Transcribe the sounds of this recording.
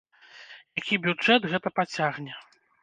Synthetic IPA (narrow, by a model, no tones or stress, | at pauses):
jakʲibʲud͡ʐɛd̪ɣɛt̪ɐpat͡sʲaɣnʲɛ